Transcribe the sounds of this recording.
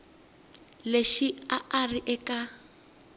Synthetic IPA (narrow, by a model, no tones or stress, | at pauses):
leʃiaariʔɛka